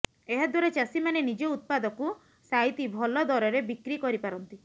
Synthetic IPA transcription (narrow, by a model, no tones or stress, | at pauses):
eɦad̪ʱwaɾet͡ʃasimanenid͡ʒɔut̪̚pad̪ɔku | sajt̪ibʱɔlɔd̪ɔɾɔɾebikɾikɔɾipaɾɔnt̪i